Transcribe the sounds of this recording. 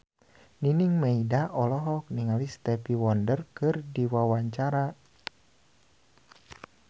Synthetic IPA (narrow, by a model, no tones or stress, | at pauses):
niniŋmeidaʔɔlɔɦɔk̚niŋalist̪ɛpiwɔndərkɨrdiwawaɲt͡ʃaɾa